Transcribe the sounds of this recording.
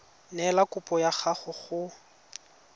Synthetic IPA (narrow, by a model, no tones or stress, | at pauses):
nɛlakʼʊpʼɔjaχaχʊχʊ